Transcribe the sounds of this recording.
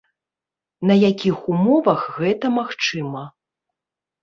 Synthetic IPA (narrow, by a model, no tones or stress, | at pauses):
nɐjakʲixumɔvɐɣɣɛt̪ɐmaxt͡ʂɨmɐ